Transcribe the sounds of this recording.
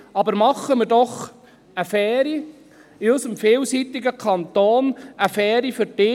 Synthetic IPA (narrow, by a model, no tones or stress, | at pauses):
ɑbəɾmɑχːəmədɔχ | əfɛːɾi | ɪœsəmfeːlsit̪ɪɡəkʰɑnt̪oːnəfɛːɾifʏɾdɪː